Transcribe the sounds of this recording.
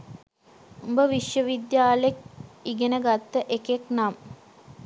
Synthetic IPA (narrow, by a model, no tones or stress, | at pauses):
umbəʋiʃjəʋid̪jaːlek̚iɡenəɡat̪ːəʔekeknam